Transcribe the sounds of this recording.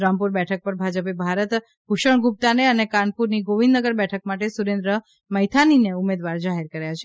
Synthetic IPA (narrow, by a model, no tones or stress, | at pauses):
ɾampuɾbɛʈʰək̚pəɾbʱad͡ʒəpebʱaɾət̪ | kuʃəɳ̃ɡup̚t̪aneənekanpuɾniɡoʋĩnd̪nəɡəɾbɛʈʰək̚maʈesuɾend̪ɾə | məjt̪ʰanineumed̪ʋaɾd͡ʒaɦeɾkəɾajat͡ʃʰe